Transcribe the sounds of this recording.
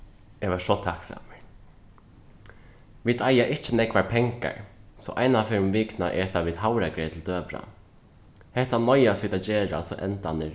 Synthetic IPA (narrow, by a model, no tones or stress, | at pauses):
ɛʋaʂɔt̪ʰaksa̰ːmɪɹ | ʋiːd̪ajaʔɪht͡ʃənɛkʋapʰɛŋka̰ɹsɔ̰ʔajnafɛɾmʋiːkna̰ʔɛt̪ʰaʋiːd̪ɦawɾakɾɛːt̪ʰɪld̪øːʋɾa̰ | hɛht̪anɔjasʋiːd̪ad͡ʒeːɹa̰sɔʔɛnt̪anɪɾ